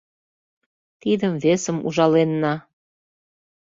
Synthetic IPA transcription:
t̪id̪əmvesəmṵʒɑlenːɑ

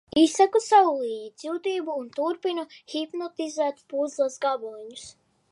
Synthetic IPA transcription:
isakusawulˠiːɲid̪sʲjuːt̪iːbuːnt̪uɾpinahipnɔt̪izæːt̪puzlˠasɡabuɲus

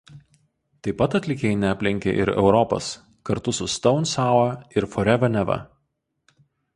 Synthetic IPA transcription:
t̪ɐɪpːɐt̪ɐt̪ʲlʲɪkʲeːjnʲɛɐpʲlʲɪŋʲkʲḛːʔɪ̰ɾɛ̰ʊɾɔpɐ̰s | kɐɾt̪ʊsʊst̪ɒʊnsɑːˑʊɐɪɾfɔɾʲɛʋʲɐnʲɛʋɐ̰

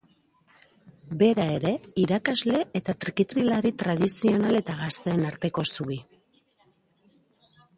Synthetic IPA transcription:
be̞ɾae̞ɾe̞iɾakazle̞et̪at̪ɾikit̪ɾilaɾit̪ɾað̞isio̞nale̞t̪aɣast̪e̞ːnaɾt̪e̞ko̞sui

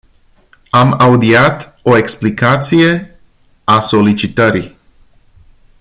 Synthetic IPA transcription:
amaud̪iat̪o̞e̞ksplikat̪sije̞ | aso̞lit͡ʃit̪əɾi

